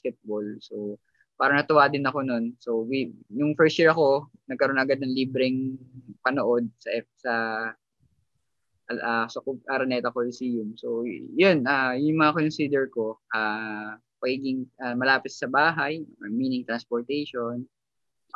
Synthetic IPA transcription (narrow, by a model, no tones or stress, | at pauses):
skɛt̪̚bolso | paːɾɐŋnɐt̪ʊwaːd̪ɪnɐko̞no̞nso̞wwijʊŋfɛɹst̪jiɹɐko̞ | nɐɡ̚kɐɾonɐɡad̪̚nɐŋliːbɾɛŋpɐnoʔo̞d̪̚sɐʔɛsɐ | ʔʔasɐkoʔɐɾɐnɛːt̪ɐkolɪsiːjʊmsowjʊnʔajʊŋmɐŋɐkonnsiːd̪ɛɹko̞ʔaː | pɐɡiːɡɪŋʔamɐlaːpɪt̪sɐbaːɦɐjmiːnɪŋt̪ɾɐnspoɹt̪ɛjʃon